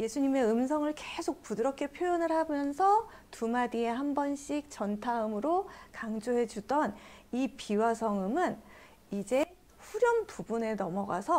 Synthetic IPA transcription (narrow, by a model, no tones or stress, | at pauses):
je̞sʰuɲime̞ɯmsʰʌŋɯɭkesʰok̚pudɯɾʌk͈ʰe̞pʰjojʌnɯɭhamjʌnsʰʌ | tumadie̞ɦambʌnɕ͈ik̚t͡ɕʌntʰaɯmɯɾokaŋd͡ʑoɦe̞d͡ʑudʌnipiwasʰʌŋɯmɯn | id͡ʑe̞ | ɸuɾjʌnpubune̞nʌmʌɡa̰sʰʌ